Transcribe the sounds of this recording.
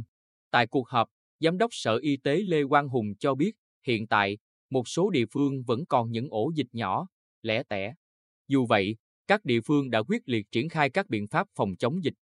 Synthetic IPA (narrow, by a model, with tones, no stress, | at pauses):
t̪a̰ː˧˨jku˨˩ək̚həː˨˩p̚ | zaː˨˦mɗə˦˥wk͡p̚sə̰ː˧˨ʔi˧t̪e˨˦le˧kwaː˧nɦʊ˨˩ŋ͡mt͡ɕɔ˧ɓi˦˥ət̚ | hḭ˧˨ənt̪a̰ː˧˨j | mo˨˩t̚so˨˦ɗḭ˧˨əfɨ˧əŋvə̰˧˥nkɔ˨˩nɲɨ̰˧˥ŋʔo˧˩zï˨˩k̟̚ɲɔ˧˩ | lɛ̰˧˥t̪ɛ̰˧˩ | zu˨˩və̰˧˨j | kaː˦˥k̚ɗḭ˧˨əfɨ˧əŋɗa̰ː˧˥kwi˦˥ət̚li˨˩ət̚t͡ɕi˧˩ənxaː˧jkaː˦˥k̚ɓḭ˧˨ənfaː˦˥p̚fɔ˨˩wŋ͡mt͡ɕə˨˦wŋ͡mzï˨˩k̟̚